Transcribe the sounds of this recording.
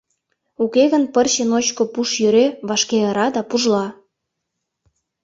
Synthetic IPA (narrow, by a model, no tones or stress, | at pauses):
ukeɣənpərɕənot͡ɕkopuʃjøɾeβɑʃkeəɾɑd̪ɑpuʒlɑ